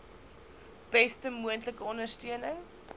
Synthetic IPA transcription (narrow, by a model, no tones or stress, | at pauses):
b̥ɛstəmuəntləkəɔndərstiənəŋ